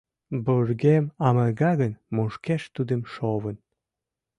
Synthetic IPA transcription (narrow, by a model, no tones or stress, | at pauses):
borɣemɑmərɣɑɣənmoʃkeʃt̪ud̪ə̆mʃoβən